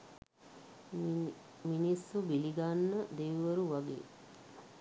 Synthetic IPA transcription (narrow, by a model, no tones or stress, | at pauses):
minisːubiliɡanːəd̪eʋʋəɾuʋaɡḛː